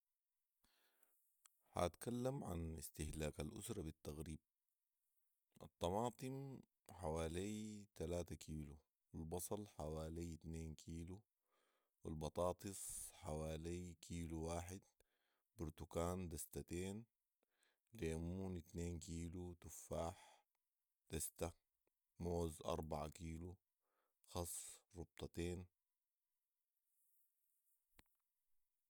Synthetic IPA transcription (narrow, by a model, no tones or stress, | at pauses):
ha̰t̪kalːamʕa̰nḭst̪ɪhlaːkalʔʊ̰sɾˤɑbit̪ːaɣɾiːb̚ | ʔɑ̰t̪ˤːɑmɑːt̪ˤɨm | ħawaːlijt̪alaːt̪akʰiːlu | wilbɑsˤɑlħawaːlijt̪neːnkʰiːlu | wilbɑt̪ˤɑːt̪ˤɨsˤħawaːlijkʰiːluwaːħɪd̪ | bʊɾt̪ukaːnd̪ast̪at̪eːn | liʔamːuːnit̪neːnkiːlut̪ʊfaːħ | d̪̥ast̪a | moːzʔɑ̰ɾˤbɑʕakiːlu | xɑsˤːɾʊb̚t̪ˤɑt̪eːn